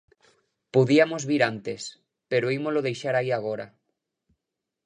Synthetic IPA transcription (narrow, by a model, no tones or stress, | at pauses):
poðiamozβiɾant̪es | peɾoimozloðejʃaɾaiaɣ̞oɾa̰